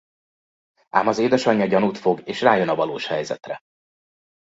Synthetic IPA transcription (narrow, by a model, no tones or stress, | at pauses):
ʔaːmɒzeːd̪ɛʃɒɲːɒɟɒnut̪fo̞ɡeːʃraːjø̞nɒvɒloːʃhɛjzɛ̰t̪rɛ